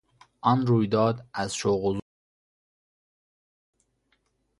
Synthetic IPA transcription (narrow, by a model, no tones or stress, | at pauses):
ʔɒnɾuːjd̪ɒːd̪æzʃoɣoz